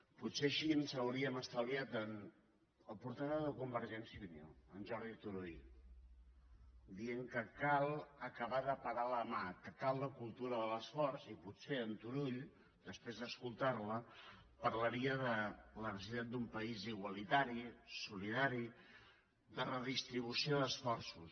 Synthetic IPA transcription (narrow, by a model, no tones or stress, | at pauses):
puseəʃiənsəwɾiəməst̪aliat̪ən | əlˠpuɾt̪aðəðəkumbəɾʒɛnsjiβinjo̰ənʒɔɾðit̪uɾuʎ | d̪ieŋkəkalˠəkəβ̞aðəpəɾaləmakəkalˠd̪əkulˠt̪uɾəðələsfɔɾzipuseənt̪uɾuʎ | d̪əspɾezðəskulˠt̪aɾlə | pəɾləɾiəðələrəziðend̪umpəiziɣwəlit̪aɾisuliðaɾi | d̪ərəðist̪ɾiβ̞usioðəsfɔrsus